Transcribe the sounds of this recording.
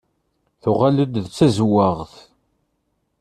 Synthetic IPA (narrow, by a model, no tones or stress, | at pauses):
θʊʁaləd̪ðt͡sːæzwaʁθ